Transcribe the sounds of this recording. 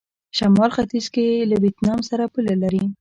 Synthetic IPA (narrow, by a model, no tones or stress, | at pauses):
ʃamɑlxat̪izkelawet̪nɑmsaɾapulalaɾi